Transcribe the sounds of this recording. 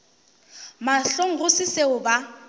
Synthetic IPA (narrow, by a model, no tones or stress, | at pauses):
maɬoŋ̩ɣʊsɪseʊba